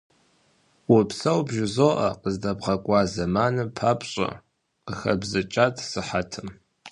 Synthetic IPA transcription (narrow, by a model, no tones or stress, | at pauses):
wʊpsɐwbʒɪzoːʔɐqəzdɐbʁɐkʷʼɑːzɐmaːnɨpʰaːpʼɕʼɐ̰ | qəxɐ̰bzɐt͡ʃʼatʰʼsɨħatʰɨm